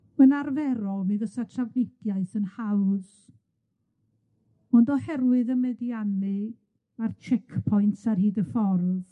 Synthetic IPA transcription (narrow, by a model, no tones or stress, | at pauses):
mənarvɛɾɔlˠmiðəsatʰravɪdjaɨθənhawð | ɔndɔhɛrwɨðəmɛdjanɨ | mart͡ʃʰɛkʰpʰɔjntʰarhiːdəfɔrð